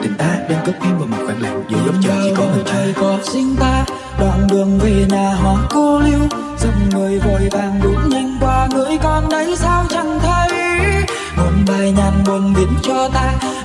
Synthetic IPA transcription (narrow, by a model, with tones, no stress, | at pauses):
t̪ï˨˩ŋ̟ʔaː˨˧˥ɗe˧nkə˦˥p̚ti˧mvaː˨˩mo˨˩t̚ka˧˩jla̰ː˨˩ŋɗi˧˨˧t͡ɕaː˧˩və˨˩t͡ɕəː˨˩jkɔ˨˦sï˧ŋ̟t̪aː˧ | ɗwa̰ː˧˨˩nɗɨ˨˩əŋvi˧˨˩naː˨˩ɦwaː˨˦ŋko˧li˧əw | z̥ə˨˩ŋ͡mŋɨ˨˩əjvəː˧˩jvaː˨˩ŋɗu˨˦ŋ͡mɲa˧jŋ̟kwaː˧ŋɨ˨˧˦əjkɔ˧nɗə˨˦jsaː˧wt͡ɕə˧˩ŋt̪ʰə˧j | mo˨˩nɓaː˨˩jɲaː˨˩nmu˨˩nvi˨˦ənt͡ɕɔ˧t̪aː˧